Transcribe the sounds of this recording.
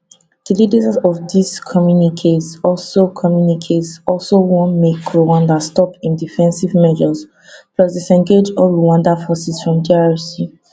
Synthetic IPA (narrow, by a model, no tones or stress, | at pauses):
d̥ilidetazɔfdiskʰɔmjunikʰesɔlsokʰɔmjunikʰetsɔlsowɔ̃nmekɹowãndastɔpĩndifɛ̃nsivmɛd͡ʒɔs | plɔsdesɛ̃ŋɡed͡ʒɔɹuwãndafɔsisfɹɔ̃mdiɛsi